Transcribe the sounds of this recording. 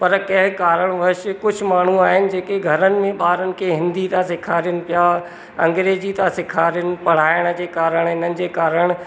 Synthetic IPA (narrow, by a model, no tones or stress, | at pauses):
pɐɾkɐɦɪkaːɾəɽ̃ʋɐʃkʊd͡ʑʱʊ̆maːɳ̤uaːɦɪnɪ̆d͡ʑeːkeɡʱɐɾənɪ̆mẽɓaːɾənɪ̆kʰeɦɪ̃nd̪it̪ãsɪkʰaːɾjənɪ̆pijaː | ɐ̰̃ŋɡɾeːzit̪ãsɪkʰaːɾjənɪ̆pɐɽ̤aːɪɽ̃̆d͡ʑeːkaːɾəɽ̃ɪn̤ənɪ̆d͡ʑeːkaːɾəɽ̃